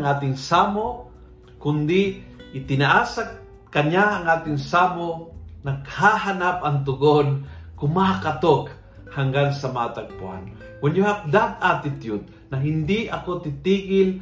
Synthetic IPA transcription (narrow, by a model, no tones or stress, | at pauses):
ŋʔaːt̪ɪŋsaːmo | kʊnd̪ɪʔɪt̪ɪnaʔaːsa | kɐɲaʔɐŋʔaːt̪ɪŋsaːmonɐɡhaɦanap̚ʔɐŋt̪ʊɡonkʊmakat̪ok | haŋɡansɐmaːt̪ɐɡ̚pʊ̰ʔa̰n | wʊnjʊhap̚d̪ad̪at̪ɪt̪jʊt̪̚ | nɐɦɪnd̪ɪʔɐkot̪ɪt̪iːɡɪl